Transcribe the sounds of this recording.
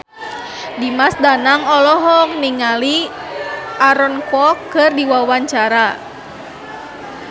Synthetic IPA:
dimasdanaŋɔlɔɦɔŋniŋali | ʔaɾɔnkɔkɨrdiwawaɲt͡ʃaɾa

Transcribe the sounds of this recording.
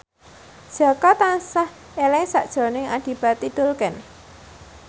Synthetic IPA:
ʒ̥a̤kɔt̪ansah | elɪŋsaʔd̥ʒ̥ɔ̤nɪŋaɖ̥i̤b̥a̤t̪id̪̥olkɛn

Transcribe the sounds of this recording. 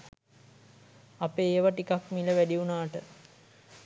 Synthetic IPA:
apeːʋaʈikakmiləʋæɖiunaːʈə

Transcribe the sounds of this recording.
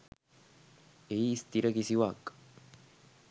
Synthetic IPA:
eist̪iɾɐɡisiwaːk

